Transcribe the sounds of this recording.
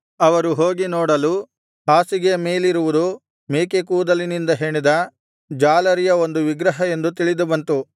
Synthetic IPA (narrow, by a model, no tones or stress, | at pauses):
ɐʋɐɾuɦoːɡinɔːɽɐlu | haːsiɡe̞me̞ːliɾuʋud̪u | meːkekuːd̪ɐlinind̪ɐɦeːɳid̪ɐ | d͡ʒaːlɐɾijɐo̞nd̪uʋiɡɾɐɦɐe̞nd̪ut̪iɭid̪ubɐnt̪u